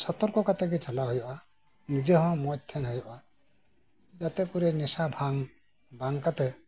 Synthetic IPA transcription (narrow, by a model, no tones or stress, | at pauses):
sɔt̪ɔɾkɔkat̪ɛɡɛt͡ʃalaɦɔjɔʔa | nid͡ʒeɦɔ̃mɔt̚t̪ʰɛnɦɔjɔʔa | d͡ʒat̪ɛkuɾɛnɛsabʱaŋ | baŋkat̪ɛ